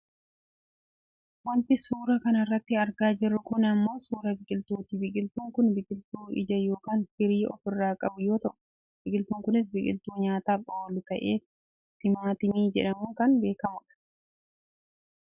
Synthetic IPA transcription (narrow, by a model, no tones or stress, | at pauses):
wɐnt̪ɪsuːɾɐkɐnɐrːɐt̪ːɪɐɾɡaːd͡ʒɪrːʊkʊnɐmːo̞ːsuːɾɐbɪkʼɪlt̪uːt̪ɪbɪkʼɪlt̪uːŋkʊnbɪkʼɪlt̪uːɪ̰d͡ʒɐjo̞ːkaːnhɪɾiːʔɔ̰fɪrːaːkʼɐbʊjo̞ːt̪ɐʔʊ̥ | b̥ɪkʼɪlt̪uːŋkʊnɪs̬bɪkʼɪ̰lt̪uːɲaːt̪aːfowːɔlːɪt̪ɐʔeː | t̪ɪmaːt̪ɪmiːd͡ʒɛ̰ᶑɐmuːkɐnbe̞ːkɐmʊᶑɐ̥